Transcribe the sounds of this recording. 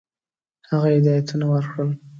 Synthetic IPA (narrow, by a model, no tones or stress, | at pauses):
haɣaɪd̪ɑjat̪unawəɾkɽəl